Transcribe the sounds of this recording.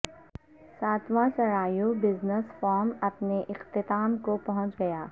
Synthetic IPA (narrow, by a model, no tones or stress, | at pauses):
saːt̪ʰʋãsɐɾaːjobɪznəsfɔːɾmɐpneʔɪqt̪ɪt̪aːmkopɐɦʊ̃t͡ʃɡɐjaː